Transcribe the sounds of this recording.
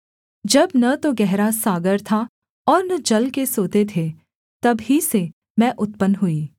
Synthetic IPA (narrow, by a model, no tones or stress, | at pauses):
d͡ʒɐbnɐt̪oɡɛɦɾasaːɡəɾt̪ʰa | ɔːɾnɐd͡ʒɐlkesoːt̪et̪ʰe | t̪ɐbɦise | mɛ̃ʔʊt̪pənɦuiː